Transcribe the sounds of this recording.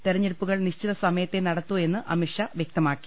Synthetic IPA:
t̪eɾɐɲːeɭpːuɣɐɭniɕt͡ɕiðɐsɐmɐjɐt̪ːe̞nɐɽɐt̪ːue̞nːɨʔɐmiʂɐʋjek̚t̪ɐmaːkːi̥

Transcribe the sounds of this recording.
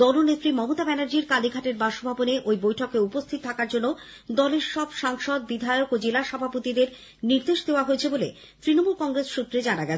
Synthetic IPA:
d̪ɔlonet̪ːɾimɔmot̪abɛnaɾd͡ʑiɾkaliɡʱaʈeɾbaʃobʱaboneʔojbojʈʰɔkeupost̪ʰit̪ot̪ʰakaɾd͡ʑonːo | d̪ɔleɾʃɔbʃaŋʃod̪̚bid̪ʱajokod͡ʑelaʃɔbʱapot̪id̪eɾ | niɾd̪eʃd̪eoaɦojet͡ɕʰebole | t̪ɾinomulkɔŋɾesʃut̪ːɾed͡ʑanaɡɛt͡ɕʰe

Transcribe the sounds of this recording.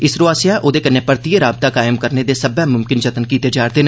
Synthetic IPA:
ɪsɾʊaːsɪjãʔod̪ekɐnːepəɾt̪iəɾaːb̚t̪akaːɪmkəɾned̪esɐbɛmʊmkɪnd͡ʒət̪ənkiːt̪ed͡ʒaːɾt̪en

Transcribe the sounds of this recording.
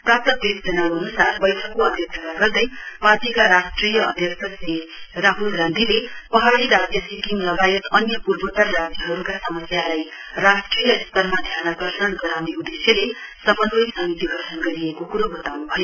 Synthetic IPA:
prap̚t̪ʌk̚d̪esd͡zʌnaɦʌnusarbʌjtʰʌkkoʌd̪ʱjʌksʰʌɡaɡʌrd̪ʌjpat̪ikaɾasʈrijʌʌ̰d̪ʱjʌksʰʌsiraɦulɡand̪ʱilepʌɦaɽiɾad͡zjʌsikimlʌɡajʌt̪ʌnjʌpurbʱʌʈʌrːad͡ziɦʌɾukasʌmʌsjalaj | rasʈrijʌist̪ʌrmad̪ʱjanaɡʌrsʌnɡʌɾawneud̪esjʌle | sʌmʌnbʌjsʌmit̪iɡʱʌrʈʰʌnɡʌɾiekokuɾobʌt̪awnubʱʌjo

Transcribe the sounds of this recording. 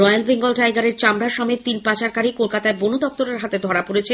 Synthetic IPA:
ɾɔjalbeŋɡolʈajɡaɾeɾt͡ɕamɾaʃɔmet̪̚t̪inpat͡ɕaɾkaɾikolkat̪aebonud̪ɔp̚t̪oɾeɾɦat̪ed̪ʱɔɾapoɾet͡ɕʰe

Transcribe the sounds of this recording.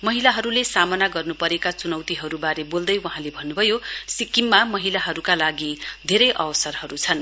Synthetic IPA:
mʌɦilaɦʌɾulesamʌnaɡʌrnupʌɾekat͡sunʌwt̪iɦʌɾubaɾebold̪ʌjwaɦãlebʱʌnːubʱʌjosikimːamʌɦilaɦʌɾukalaɡid̪ʱeɾʌjʔʌ̰bʌsʌrhʌɾut͡sʰʌn

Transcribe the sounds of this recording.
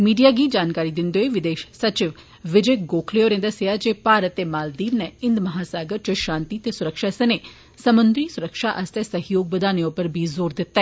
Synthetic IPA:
miːɖijaːɡiːd͡ʒaːnkaːɾiːd̪ɪnd̪oeːʋɪd̪eːʃsət͡ʃɪʋ | ʋɪd͡ʒeːɡoːkʰleːoːɾẽːd̪əseaːd͡ʒeːpaːɾət̪ːeːmaːld̪iːnnɛɪ̃nd̪məɦaːsaːɡəɾt͡ʃəʃãːnt̪iːt̪eːsʊɾəkʃaːsəneː | səmənd̪ɾiːsʊɾəkʃaːʔəst̪ɛːsəɦjoːɡ̚bəd̪aːneʊpəɾbʱiːzoːɾd̪ɪt̪ːaɛ

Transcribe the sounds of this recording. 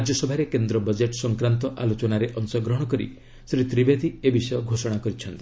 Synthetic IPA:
ad͡ʒjɔsɔbʱaɾekend̪ɾɔbəd͡ʒeʈɔsɔŋkɾant̪ɔʔalot͡ʃɔnaɾeʔɔŋsɔɡɾɔɦɔɽ̃ɔkɔɾḭ | sɾit̪ɾibed̪ʱiebisɔjɔɡʱosɔɽ̃akɔɾit͡ʃʰɔnt̪i̥

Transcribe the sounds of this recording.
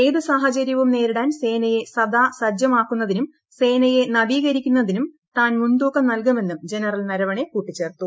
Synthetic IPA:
e̞jd̪ɨsaːɦɐt͡ɕɐɾjɐʋumne̞ːɾuɽaːnse̞ːnɐje̞sɐd̪aːsɐd͡ʑjɐmaːkːunːɐðinum | se̞ːnɐje̞nɐbiːɣɐɾikʲːunːɐðinum | t̪aːnmuɳɖoːkːɐmnɐlk̬ɐme̞nːumd͡ʑe̞nɐrɐlnɐɾɐʋɐɳe̞kuːʈːit͡ɕːe̞ːrt̪ːu

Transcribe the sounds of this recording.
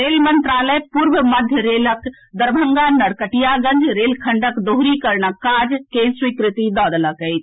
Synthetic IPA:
ɾelmənt̪ɾaləjpuɾbəməd̪ʱjəɾelək | d̪əɾbʱəŋɡanːəɽkəʈijaɡənd͡ʒɾelkʰəɳɖəkd̪oɦɾikəɾnəkad͡ʒkeswikɾit̪id̪ɔːd̪ləkəjt͡ʃʰ

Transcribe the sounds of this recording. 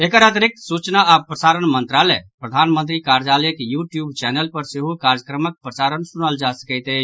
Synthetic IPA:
ekəɾət̪ɾik̚t̪sut͡ʃnaapɾəsaɾənmənt̪ɾalɛpɾəd̪ʱanmənt̪ɾikaɾd͡ʒalekjuʈjubt͡ʃɛnelpəɾseɦukaɾjəkɾəmək̚pɾəsaɾənsunəld͡ʒasə̥kəɪt̪ə

